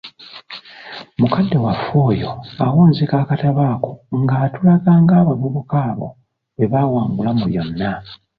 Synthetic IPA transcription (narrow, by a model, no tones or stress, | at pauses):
mukadːe̞wafoːjo̞awoːnzekakataβaːko̥ŋɡaːtulaɡaːŋɡaːβaβuβukaːβo̞̰ | βe̞βawaːŋɡulamuβjo̞nːa